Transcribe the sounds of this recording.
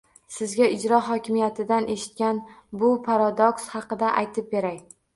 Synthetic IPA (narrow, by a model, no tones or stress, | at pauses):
sɪzɡʲaɪd͡ʒɾɒɦɒkʲʰɪmijat̪ʰɪd̪anʔe̞ʃɪ̥t̪̚kʲanbʊpʰaɾad̪okshɑqɨd̪aʔa̰jt̪ʰɪp̚be̞ɾaj